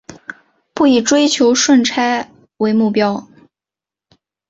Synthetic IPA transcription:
pu˥˩i˨˩ʈ͡ʂwe˥ɪt͡ɕʰjo˧˥ʊʂwə˥˩nʈ͡ʂʰa˥ɪ | we˧˥ɪmu˥˩pjɑ˥ʊ

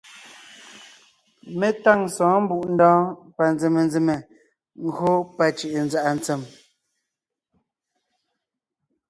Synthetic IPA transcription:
me˦ta˦˨ŋsɔ̃ː˨˦m̩˦bu˦˨ʔn̩˦dɔ̃ː˦pa˨nd͡ze˨me˨nd͡ze˨me˨ | ŋ̩˦ɡo˦pa˨t͡ʃi˨ʔe˨n˦za˨ʔa˨n˦t͡se˨m

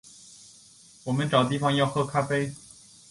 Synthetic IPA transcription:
wɔ˨˩mə˧˦nʈ͡ʂɑ˨˩ʊt̪̬i˥˩fɑ˧˦ŋjɑ˥˧ʊxɤ˥˧kʰa˥pe˥ɪ

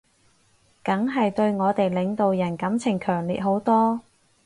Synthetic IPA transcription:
kɐ˨˥ŋɦɐ˨jt̪ɵ˧ɥŋɔː˨˧t̪e˨jlɪ˨˧ŋt̪o˨wjɐ˨˩nkɐ˨˥mt͡sʰɪ˨˩ŋkʰœː˨˩ŋliː˨t̚ɦo˨˥wt̪ɔː˥

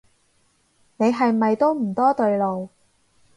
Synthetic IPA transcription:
ne˨˧jɦɐ˨jmɐ˨jt̪o˥wm̩˨˩t̪ɔː˥t̪ɵ˧ɥlo˨w

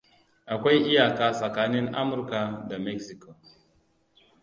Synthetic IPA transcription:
ʔa˨kʷa˦jʔi˦ja˨kaː˦sa˨ka˦ni˦nʔa̰˦mʊ˨ɾka˨da˨me˦ksi˨ko˨

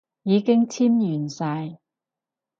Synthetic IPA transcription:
jiː˨˧kɪ˥ŋt͡sʰiː˥mjyː˨˩nsaː˧j

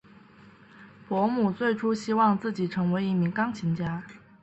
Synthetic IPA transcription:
pwɔ˧˥mu˨˩t͡swe˥˩ɪʈ͡ʂʰu˥ɕi˥wɑ˥˧ŋt͡sɹ̩˥˩t͡ɕi˨˩ʈ͡ʂʰɤ˧˥ŋwe˧˥ɪi˥˩mi˧˥ŋkɑ˥ŋt͡ɕʰi˧˥ŋt͡ɕja˥

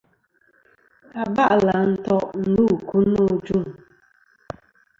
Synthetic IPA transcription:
a˨ba˦ʔla˨n̩˦tɔ˦nu˦˨ku˦no˨d͡ʒu˦m̩˨

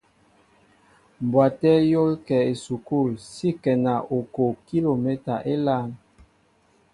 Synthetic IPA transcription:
m˨bwa˨tɛ˦jo˦lkɛ˨e˨su˨ku˦˨lsi˦kɛ˨na˨ʔo˨ko˨ki˦lo˨mɛ˦ta˨ʔe˦la˦n

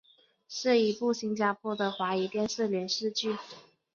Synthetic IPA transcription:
ʂɻ̩˥˩i˧˥pu˥˩ɕi˥ŋt͡ɕja˧˥pʰwɔ˥d̪ə˨xwa˧˥i˧˥t̪jɛ˥˧nʂ̩˥˩lɥɛ˧˥nʂɻ̩˥˧t͡ɕy˥˩

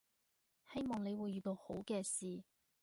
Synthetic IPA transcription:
he˥jmɔː˨ŋne˨˧jwuː˨˧jyː˨˧t̪o˧who˨˥wkɛː˧siː˨

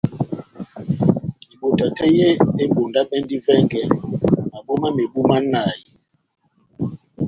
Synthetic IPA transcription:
li˨ɓo˨ta˨tʰɛ˦je˦e˦ɓo˨nda˦ɓɛ˦ndi˦vɛ˦ŋɡɛ˨ma˨ɓo˦ma˦me˨ɓu˦ma˦na˨ji˨

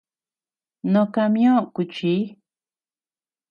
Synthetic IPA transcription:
nõ˧˨ka˧mj̃õ˦ku˨t͡ʃi˦

